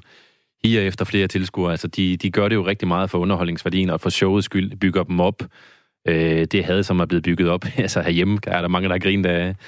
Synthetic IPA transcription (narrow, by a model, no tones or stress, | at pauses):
hiːɒefd̥ɐfle̝ːɐt͡sʰe̝lsɡ̥uɐælsəd̥id̥iɡ̥ɶɐɾe̝jo̝ʁɛɡ̥̚d̥imɑ̈ːð̩ˠfɒ̽ɔ̽nɐɦɒ̽l̰ne̝ŋsʋæɐd̥ḭːn̩ɒ̽fɒ̽ɕɔʊð̩ˠsɡ̥yl̰b̥yɡ̥ɐd̥em̩ɒ̽b̥ | ød̥e̝ɦæð̞̩ˠsɒ̽mɑb̥le̝ːð̩b̥yɡ̥ð̩ˠɒ̽b̥ælsəhæɐjemæɐɾɑ̈mɑ̈ŋəd̥ɑhɑ̈ɡ̥ʁḭːnd̥æ